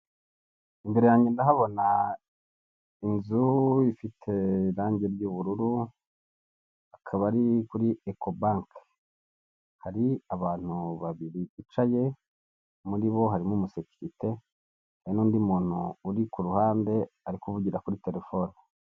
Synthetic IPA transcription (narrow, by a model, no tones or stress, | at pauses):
imbe̞ɾe̞jaːɲɟe̞ndaɦaβo̞na | inzuifitʰe̞ɾaːɲɟe̞ɾɟuːβuɾuɾu | akʰaβaɾikuɾiekʰo̞baŋk | haɾiaβaːn̥huβaβiɾiit͡ʃaje̞ | muɾiβo̞ɦaɾimumuseki̥ɾite̞ | ajinuːndimuːn̥uːɾikuɾuhaːnde̞aɾikuβuɟiɾakuɾite̞ɾe̞fo̞ːni